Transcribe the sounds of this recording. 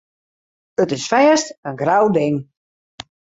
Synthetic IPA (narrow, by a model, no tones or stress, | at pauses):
ətɪsfɛːstənɡrawdɪŋ